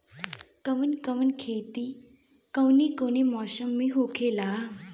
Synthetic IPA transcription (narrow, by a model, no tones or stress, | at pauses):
kəʋənkəʋənkʰet̪i | kəwnikonemɔsəmːiɦokʰela